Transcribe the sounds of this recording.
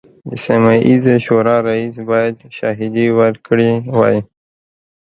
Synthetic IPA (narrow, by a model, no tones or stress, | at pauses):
d̪əsamɑʔizoʃoɾɑɾaisbɑjad̪ʃɑɦɪd̪iwəɾkɽiwɑ̰ji